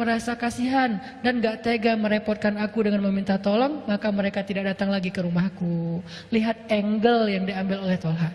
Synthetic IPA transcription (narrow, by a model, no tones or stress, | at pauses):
məɾasakasiɦan | danɡaʔt̪eɡaməɾepɔrt̪̚kanakudəŋanməmint̪at̪olɔŋmakaməɾekat̪idak̚dat̪aŋlaɡikəɾumahku | liɦat̪̚ɛŋɡəljaŋdiambɪlolɛht̪olɦa